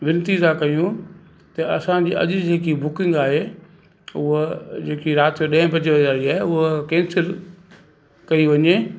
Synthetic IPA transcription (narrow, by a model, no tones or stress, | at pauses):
ʋɪnt̪izãkɐijũ | t̪ɐɐsãd͡ʑiːɐ̰ʄd͡ʑeːkibʊkɪ̃ŋɡaːɦe | ʊɦd͡ʑeːkiɾaːt̪joɗɐ̃ɦɪ̃pɐ̃d͡ʑʋɐzaːɾiaːɦeʊɦkɛ̃ːnsɪl | kɐiʋɐɲeː